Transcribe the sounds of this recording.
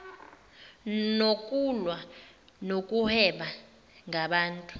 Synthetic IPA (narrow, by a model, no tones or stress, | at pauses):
nokʼulwa | nokʼuhɛɓa | ŋʱaɓaːntʼu